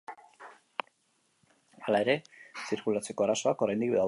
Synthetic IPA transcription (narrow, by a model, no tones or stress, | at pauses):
alae̞ɾe̞siɾkulat͡se̞ko̞araso̞akoɾajnd̪ikbða